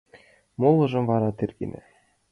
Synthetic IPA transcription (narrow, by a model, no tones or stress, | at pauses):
molˠːɤ̆ʐɤ̆mvɑɾɑt̪ɘrʲɡʲḭnʲɘ̰̆